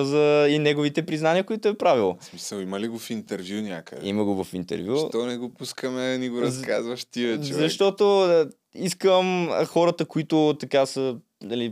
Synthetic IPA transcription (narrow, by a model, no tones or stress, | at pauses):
zɐinɛɡʊvit̪ɛpɾiznaniəkoit̪ʊɛpɾavilˠosmisəlˠimɐliɡofint̪ɛɾvjunʲakɐ̰d̪ɛḭməɡovɐfint̪ɛ̰ɾvʲjut̪ɔnɛɡopuskəmɛnɛɡoɾɐka̰zvɐʃt̪ivɛt͡ʃzɐʃt̪ɔt̪oə | iskəmxɔɾət̪əkoit̪ʊt̪ɐkasə | nɐli